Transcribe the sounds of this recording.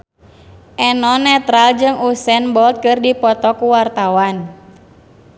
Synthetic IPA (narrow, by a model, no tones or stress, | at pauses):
ʔɛnɔnɛt̪ɾald͡ʒɨŋusɛnbɔlt̪̚kɨrdipɔt̪ɔkuwart̪awan